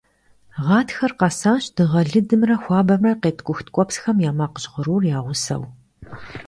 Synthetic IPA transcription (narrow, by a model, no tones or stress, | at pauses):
ʁɑːtxɐrqɑsaːɕd̥ɨʁɐɮɨdɨmrɐxʷɑːbɐmrɐqeːtʰkʷʼʊxtʰkʷʼɔpsxɐmjaːmaːqəɕʼʁəɾuːrjaːʁʷʊsɐ̰w